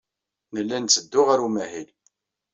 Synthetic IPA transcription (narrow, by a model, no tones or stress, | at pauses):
nəlːænt͡sːəd̪ːʊʁaɾumæhil